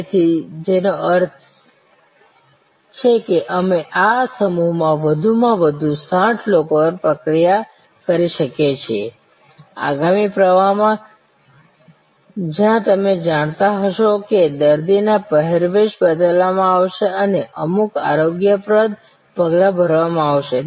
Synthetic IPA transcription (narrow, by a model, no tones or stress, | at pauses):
t̪ʰid͡ʒenoəɾt̪ʰ | t͡ʃʰekeʔəmeʔasəmuɦmãʋəd̪ʱumãʋəd̪ʱusãʈʰlokoəpɾəkɾija | kəɾiʃəket͡ʃʰḛ | a̰ɡamipɾəʋamã | d͡ʒjãt̪əmed͡ʒaɽ̃t̪aɦəʃoked̪əɾd̪inapəɦeɾʋeʃbəd̪əlʋamãaʋʃeəneʔəmukaɾoɡjəpɾəd̪ | pəɡlabʱəɾʋamãaʋʃe